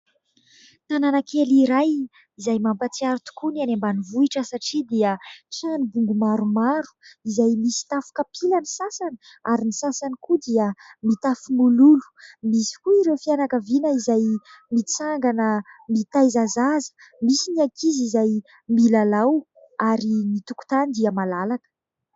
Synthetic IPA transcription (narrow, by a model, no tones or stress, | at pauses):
t̪ananakʰeliɾaj | izajmampat͡siaɾut̪u̥kunanambanivuiʈ͡ʂəsaʈ͡ʂid̪iət͡ʃanibuŋɡumaɾumaɾu̥izajmisi̥t̪afu̥kapʰilənisasanə | aɾinisasanikud̪iəmit̪afumululu̥misi̥kuiɾewfianakəvinəizaj | mit͡saŋɡanəmit̪ajzazazə̥ | misiniakʰizizaj | milalaw | aɾinit̪uku̥t̪anid̪iəmalalakə̥